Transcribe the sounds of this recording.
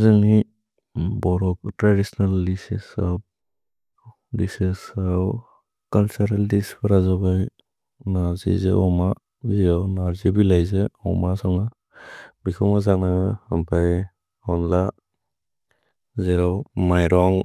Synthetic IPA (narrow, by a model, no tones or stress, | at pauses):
zaŋi | bɔɾɔk̚tɾadisnalːisḭsɔp̚ | disesaw | kalsaɾaldispʰaɾazabaj | nazḭzḛɔma | ziɾawnaɾzibilajzeɔ̰masɔŋa | bikʰɔmazaŋnaɡahampʰaj | ɔnla | zeɾawmajɾɔŋ